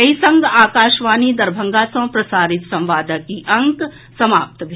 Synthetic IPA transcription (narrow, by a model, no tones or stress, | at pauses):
ɐɦisɐ̃ŋɡaːkaːʃʋaːnid̪ɐɾbʱə̃ŋɡasɐ̃ːpɾɐsaːɾɪt̪sɐ̃mʋaːd̪əkiʔɐ̃ŋk | sɐmaːp̚t̪bʱ